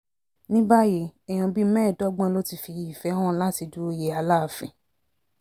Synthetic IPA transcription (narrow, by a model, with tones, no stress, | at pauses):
nĩ˦ba˦je˧ɛ˨j̃ɔ̃˧˨bi˦mɛ̃ː˦˨dɔ˦ɡ͡bɔ̃˦lo˦ti˧fi˧ji˨fɛ˨˦hɔ̃˦la˦ti˧du˦o˦je˧˦a˧la˦˨fĩ˨